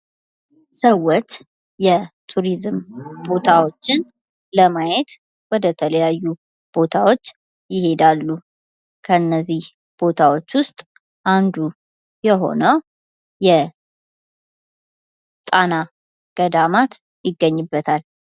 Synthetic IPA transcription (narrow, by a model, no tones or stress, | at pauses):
səwːɔt͡ʃ | jɛt̪ʰuɾizmbo̞t̪ʰawo̞t͡ʃːɪn | ləmajɛt̪ | wɔd̪ət̪ʰələjajːu | b̥o̞t̪ʰawo̞t͡ʃː | jɪhe̞d̪alːu | kʰəɨnːəzːih | b̥o̞t̪ʰawo̞t͡ʃːwʊst̪ʼ | ʔand̪u | jɛɦo̞̰nəw | jɛ | t̪ʼana | ɡ̥əd̪amat̪ | jɪɡːəɲːɪbːət̪ʰal